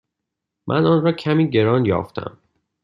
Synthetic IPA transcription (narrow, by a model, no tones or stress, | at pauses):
mʔæ̰nɒːnrɒːcʰæmiːɟe̞ɾɒːnjɒ̰ːft̪ʰæ̰m